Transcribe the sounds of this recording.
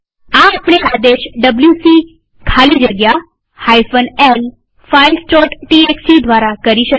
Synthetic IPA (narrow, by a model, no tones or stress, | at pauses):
aapɽ̃ead̪eʃɖəbljusi | kʰalid͡ʒəɡja | hajfənel | failsʈɔʈʈieksid̪ʱʋaɾakəɾiʃə